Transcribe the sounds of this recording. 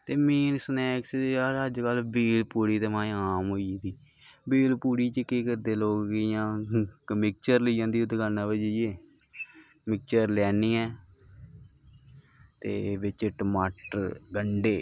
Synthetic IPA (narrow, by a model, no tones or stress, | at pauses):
t̪eːmiːnsənɛːksɾɦəd͡ʒkəlbiːlpuːɽiːt̪əmãːĩːaːmɦoːiːd̪iː | biːlpuːɽiːt͡ʃəkeːkəɾd̪eːloːkːjãːkəmɪk̚t͡ʃəɾləiːjãːd̪iːʊd̪ɡaːnãːʋəd͡ʒieː | mɪk̚t͡ʃəɾlɛːniːɛː | t̪ḛːʋɪt͡ʃʈəmaːʈəɾɡəɳɖeː